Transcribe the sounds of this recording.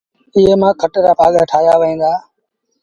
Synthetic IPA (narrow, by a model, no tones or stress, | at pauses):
ɪɦeːmãːkʰəʈeɾaːpaːɠaːʈʰaːjaːʋəɦĩːd̪aː